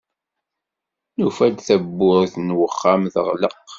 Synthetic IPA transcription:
nufælθæbːʊðəθnwəχːamðəʁləq

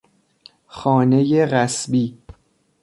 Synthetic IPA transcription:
xɒːne̞jeɣæsbiː

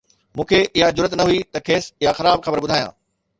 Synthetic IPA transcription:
mũːkʰeʔɪɦad͡ʑʊɾət̪nɐɦuit̪ɐkʰeːsɪɦaxɐɾaːbxɐbəɾbʊd̪ʱaːjã̰ː

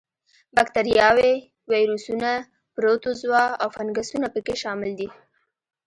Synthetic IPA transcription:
bak̚t̪aɾjɑwe | wajɾusuna | pɾot̪ozwɑawfanɡasunapəkeʃɑmɪld̪i

